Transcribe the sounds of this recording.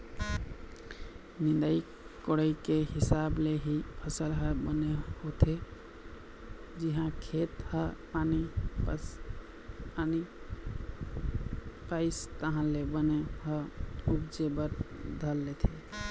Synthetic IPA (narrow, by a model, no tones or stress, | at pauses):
nĩnd̪ai | koɽəikeɦisableɦipʰəsəlɦəbənehot̪ʰe | d͡ʒiɦãkʰet̪həpanip | pani | paɪst̪əɦãlebəneɦəubd͡ʒebəɾd̪ʱəlːet̪ʰe